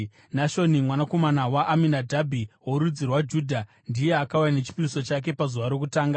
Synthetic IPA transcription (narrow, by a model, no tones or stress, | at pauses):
naʃo̞nimwanako̞manawaʔːminadʱabʱiwoɾud͡zirwad͡ʒuːdʱa | ndije̞akaujanet͡ʃi̥piriso̞t͡ʃak̬e̞pazuʋaɾo̞kutaːŋɡa